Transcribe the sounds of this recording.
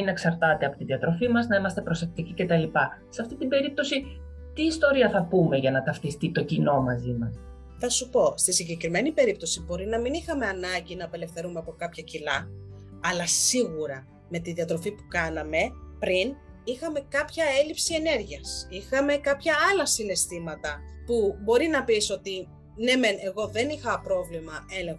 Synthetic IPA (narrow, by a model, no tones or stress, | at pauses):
ineksɐɾt̪ɐt̪e̞ɐpo̞t̪iðiɐt̪ɾo̞fimɐznɐimɐst̪e̞pɾo̞se̞k̚t̪icice̞t̪ɐlipɐseɐft̪it̪ibe̞ɾip̚t̪o̞si | t̪iːst̪o̞ɾiɐθɐpume̞ʝɐnɐt̪ɐfθist̪it̪o̞cino̞mɐzimɐs | θɐsupo̞st̪isiɲɟe̞kɾime̞nipe̞ɾip̚t̪o̞sibo̞ɾinɐminixɐme̞ɐnɐɲɟinɐːpe̞le̞fθe̞ɾumeɐpo̞kɐpçɐcilɐɐlɐsiɣuɾɐ | me̞t̪iðiɐt̪ɾo̞fipu̥kɐnɐme̞pɾin | ixɐme̞kɐpçɐelipsie̞ne̞ɾʝiɐsixɐme̞kɐpçɐɐlɐsine̞st̪imɐt̪ɐpubo̞ɾinɐpiso̞t̪i | ne̞me̞ne̞ɣo̞ðe̞nixɐpɾo̞vlimɐe̞le̞ŋx